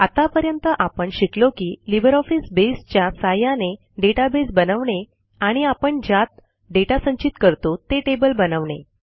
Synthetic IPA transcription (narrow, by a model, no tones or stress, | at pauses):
at̪apəɾjənt̪əʔapəɳɕiklokiːlibəɾɔfisbest͡ɕjasajane | ɖeʈabesbənəʋɳe | aɽ̃iapəɳd͡ʑat̪̚ | ɖeʈasəɲt͡ɕit̪kəɾt̪ot̪eʈebəlbənəʋɳḛ